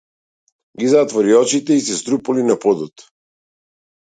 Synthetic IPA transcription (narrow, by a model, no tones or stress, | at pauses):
ɡizat̪vɔɾiɔt͡ʃit̪ɛisɛst̪ɾupulinapɔd̪ɔt̪